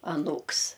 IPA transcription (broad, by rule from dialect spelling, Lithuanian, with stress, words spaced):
ɐˈnuːks